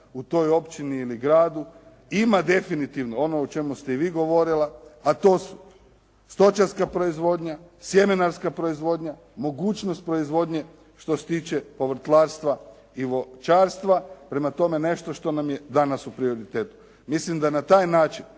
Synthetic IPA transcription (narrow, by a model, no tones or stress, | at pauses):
ut̪o̞jo̞pt͡ʃiniːliɡɾaːd̪u | imad̪e̞finit̪iʋnoo̞noːt͡ʃe̞must̪e̞iʋiːɡo̞ʋo̞ɾilaat̪o̞ːsu̥ | st̪o̞t͡ʃaɾskapɾo̞izʋo̞ːd̪ɲasjeminaɾskapɾo̞izʋo̞d̪ɲa | mo̞ɡuːt͡ʃnost̪̚pɾo̞izʋo̞d̪ɲe̞ | ʃt̪o̞se̥t̪iːt͡ʃe̞po̞ʋɾ̩t̪lˠaɾst̪ʋa | iʋot͡ʃaːɾst̪ʋapɾe̞mat̪o̞me̞ne̞ʃt̪oʃt̪o̞namjed̪anasupɾio̞ɾit̪eːt̪u̥ | mislimd̪anat̪aːjnaːt͡ʃin